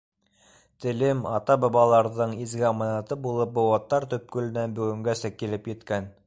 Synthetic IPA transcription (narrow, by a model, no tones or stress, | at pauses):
t̪ɘ̆lɘmɑt̪ɑbɑβɑlˠɑɾðɤɴizɡæɑmɑnɑt̪ɤbulˠɤp̚bŏwɑt̪ːɑɾt̪ɵ̆p̚kɵ̆lɘ̆nænbɵ̆ɡɵ̆ŋɡæsækilɘpjɘ̆t̪kæn